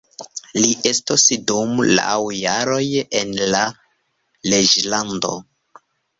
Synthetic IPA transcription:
liʔe̞stosdumla̰wjaɾo̞jenla | led͡ʒlando̞̰

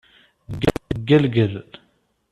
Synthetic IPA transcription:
ɡæɡælɡəl

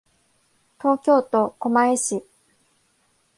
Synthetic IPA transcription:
t̪o̞ːkʲo̞ːt̪o̞ko̞maeɕi

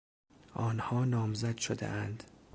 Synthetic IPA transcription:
ʔɒːnhɒːnɒːmzæd̪ʃod̪ḛʔænd̪

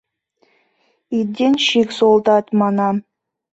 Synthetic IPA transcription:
id̪ʲenʃiksolˠd̪ɑt̪mɑnɑ

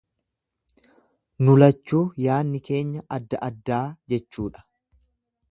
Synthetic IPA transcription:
nʊlɐt͡ʃːuːjaːnːɪke̞ːɲːɐʔɐd̪ːɐʔɐd̪ːaːd͡ʒɛt͡ʃːuːᶑɐ̥

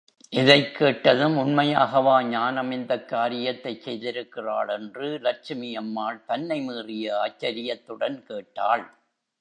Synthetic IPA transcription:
ʔɪðɐɪkʰːeːʈːɐðɯmʊnmɐjaːɣɐʋaːɲaːnɐmɪnd̪ɐkːaːɾɪjɐt̪ːɐɪt͡ʃsɛjðɪɾɯkːɪraːɭɛndrɯlɐɾt͡ʃɪmɪjɐmːaːɭt̪ɐnːɐɪmiːrɪjɐaːt͡ʃːɐɾɪjɐt̪ːɯɽɐnkeːʈːaːɭ

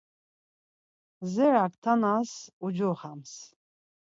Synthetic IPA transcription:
zɛɾakt̪ʰanasud͡ʒɔχams

